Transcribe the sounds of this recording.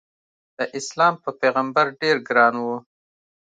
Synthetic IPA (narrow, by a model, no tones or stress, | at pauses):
d̪̥əʔɪslɑmpəpeɣambaɾɖeɾɡɾɑnwu